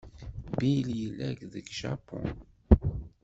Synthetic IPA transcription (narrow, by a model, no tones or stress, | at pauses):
biljəlːæɡðəɡʃa̰pɔ̰n